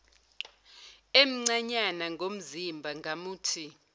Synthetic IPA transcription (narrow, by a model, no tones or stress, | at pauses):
em̩ŋ͡ǀaɲanaŋɡʱom̩zimbʱaŋɡʱamuːtʰi